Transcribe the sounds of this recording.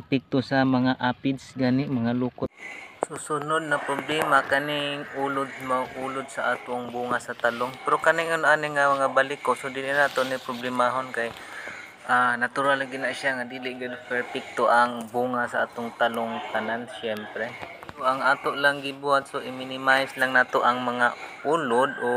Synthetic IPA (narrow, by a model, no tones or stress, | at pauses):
pɪk̚t̪ʊsamaŋaʔapɪd̪sɡaːnɪʔmaŋaluːkʊt̪sʊsʊnʊd̪̚napɾʊblɛmakanɪŋulʊd̪̚maɡʔuːlʊd̪̚saʔaːt̪ʊŋbuŋasat̪alʊŋpɛɾokanɪŋʊnʔaːnɪŋamaŋabalɪkosod̪iːlɪʔnaːt̪ʊʔnɪpɾʊblɪmaɦʊnkaj | ʔanat̪ʊɾalaɡɪnaʔʃaŋad̪iːlɪʔɡanfɛɹpɪk̚t̪oʔaŋbuːŋasaʔaːt̪ʊŋt̪alʊŋt̪ananʃɛmpɾɛsoʔaŋaːt̪oʔlaŋɡɪbuɦat̪̚soʔɪmɪnɪmajslaŋnaːt̪oʔaŋmɐŋaʔulʊd̪̚ʔo